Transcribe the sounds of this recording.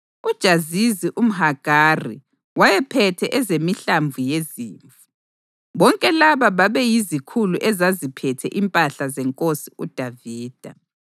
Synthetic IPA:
ud̥ʒ̥ʱaziziʔum̩ɦaɡ̥ʱarḭ | wajɛpʰɛtʰɛʔɛzemiɬaɱvujeziːɱfu̥ | βɔŋkʼɛlaβaβaβɛjizikʰuluʔɛzazipʰɛtʰɛʔimpʼaɬazɛŋkʼosiud̥ʱaviːd̥ʱa

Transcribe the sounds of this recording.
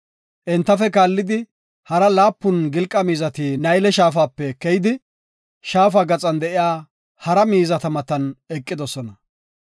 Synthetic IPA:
ʔɛnt̪ːɐfɛkaːlːɪd̪ɪ | hɐɾɐlaːpːʊnɡɪlkʼːɐmiːzɐt̪iːnɐjlɛʃaːfaːpːɛkːɛjɪd̪ɪ | ʃaːfaːɡɐt͡sʼɐnd̪ɛʔɪjaː | hɐɾɐmiːzɐt̪ɐmɐt̪ɐnɛkʼːɪd̪ɔsɔnɐ

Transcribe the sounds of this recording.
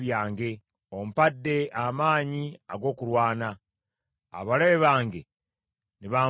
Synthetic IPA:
βjaːŋɡe̞ | omupadːe̞ʔamaːɲiaɡo̞ːkuɾwaːna̰ː | βaleβeβaːŋɡe̞ | niβaː

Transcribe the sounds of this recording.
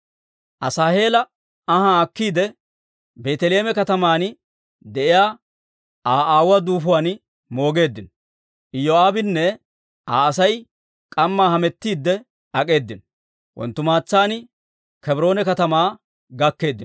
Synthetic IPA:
ʔɐsaːhe̞ːlɐ | ɐhaːkːiːd̪ɛ | be̞ːt̪ɛle̞ːmɛkɐt̪ɐmaːn | d̪ɛʔɪjaː | aːʔaːwɐd̪uːfʊwaːn | mo̞ːɡe̞ːd̪ːɪn | ʔɪjoaːbɪnːɛ | aːɐsɐj | kʼɐmːaːhɐmɛt̪ːiːd̪ːɛ | ɐkʼe̞ːd̪ːɪn | wʔɔ̰nt̪ːʊmaːt͡sːaːn | kɛbɾo̞ːnɛkɐt̪ɐmaː | ɡɐkːe̞ːd̪ːɪn

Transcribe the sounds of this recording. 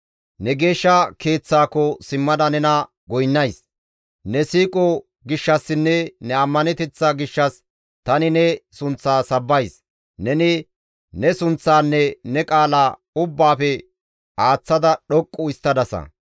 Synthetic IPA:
nɛɡe̞ːʃːɐke̞ːt͡sːaːkɔsɪmːɐd̪ɐnɛnɐ | ɡɔjnːɐjs | nɛsiːkʼɔ | ɡɪʃːɐsːɪnːɛnɛɐmːɐnɛt̪ɛt͡sːaɡɪʃːɐs | t̪ɐnɪnɛsʊnt͡sːaːsɐbːɐjs | nɛnɪ | nɛsʊnt͡sːaːnːɛnɛkʼaːlaː | ʊbːaːfɛ | aːt͡sːɐd̪ɐɗɔkʼːʊɪst̪ːɐd̪ɐsɐ̰

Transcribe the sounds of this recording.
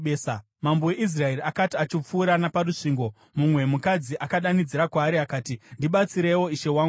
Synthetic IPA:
eːsa | mamboweʔis̬rae̞riakatiat͡ʃip͡fuːɾanaparuʂiŋɡo̞ | mumwe̞mukad͡ziʔakaɗanid͡ziɾakwaːɾiakaːtindiɓat͡siɾe̞wo̞iʃe̞waːŋɡu

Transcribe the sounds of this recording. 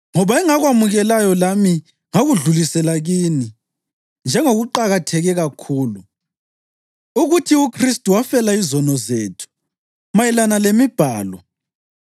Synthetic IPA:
ŋɔβaɛŋaɣwamuɣɛlajɔlami | ŋaɣuɮulisɛlaɣiːni | nd͡ʒʱɛŋoɣuǃaɣatʰɛɣɛɣakʰuːlu | uɣutʰiukʰristʼuwafɛlaizɔnɔzeːtʰu̥ | majɛlanalemib̥ʱaːlɔ

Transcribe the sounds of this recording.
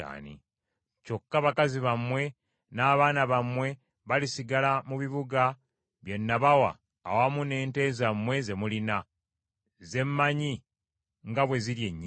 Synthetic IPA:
a̰ːnḭ | co̞kːaβakaziβamwe̞ | naːβaːnaβamwe̞ | βalisiɡalamuβiβuɡa | βje̞nːaβawa̰ː | wamune̞ːnte̞zamwe̞ze̞mulina | ze̞mːaɲi | ŋɡaβwe̞zilje̞ɲːi

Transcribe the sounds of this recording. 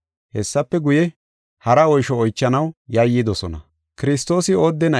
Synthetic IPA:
hɛsːɐpːɛɡʊjɛ | hɐɾɐɔjʃɔːjt͡ʃːɐnɐwjɐjːɪd̪ɔsɔnɐ̰ | kɪɾɪst̪o̞ːsɪo̞ːd̪ːɛnɐ

